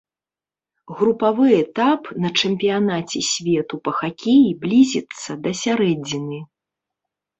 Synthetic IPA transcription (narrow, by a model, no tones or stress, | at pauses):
ɣɾupavɨɛt̪apnɐt͡ʂɛmʲpʲijanat͡sʲɛsʲvʲɛt̪upɐxakʲejiblʲizʲɛt̪sːɐd̪ɐsʲaɾɛd͡zʲinɨ